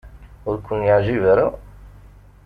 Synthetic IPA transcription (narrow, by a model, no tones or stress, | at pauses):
ʊɾkʰʷʊnjaʕʒivaɾa